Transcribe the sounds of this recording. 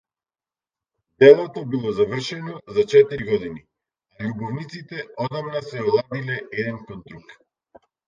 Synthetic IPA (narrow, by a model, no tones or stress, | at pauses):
d̪ɛlˠɔt̪ɔbilˠɔzavr̩ʃɛnɔzat͡ʃɛt̪iɾiɡɔd̪ini | aʎubɔvnit̪sit̪ɛɔd̪amnasɛɔlˠad̪ilɛɛd̪ɛnkɔnt̪ɾuk